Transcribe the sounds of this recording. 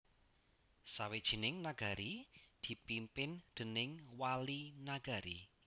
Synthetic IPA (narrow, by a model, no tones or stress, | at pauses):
sawed̥ʒ̥i̤nɪŋnaɡ̥a̤ɾid̪̥i̤pimpɪnd̪̥ə̤nɪŋwalinaɡ̥a̤ɾḭ